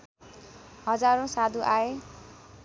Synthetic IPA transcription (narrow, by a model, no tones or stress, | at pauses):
ɦʌd͡zaɾõsad̪ʱuʔae